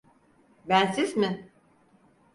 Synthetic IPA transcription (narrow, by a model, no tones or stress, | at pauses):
bænsizmɪ